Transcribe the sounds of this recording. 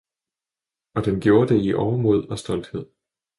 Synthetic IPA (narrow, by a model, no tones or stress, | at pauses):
ɒ̽d̥enɡ̥jo̝ːɐd̥e̝iʔɒʊɐmoð̞̰ˠɒ̽sd̥ɒ̽l̰d̥he̝ð̰ˠ